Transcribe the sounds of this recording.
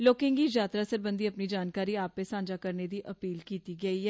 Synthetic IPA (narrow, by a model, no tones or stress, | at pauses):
loːkɪŋɡiːd͡ʒjaːt̪ɾaːsəɾbə̃nd̪iːəpniːd͡ʒaːnkaːɾiːaːpːesãːɲd͡ʒaːkəɾned̪iːʔəpiːlkiːt̪iɡəiɦɛː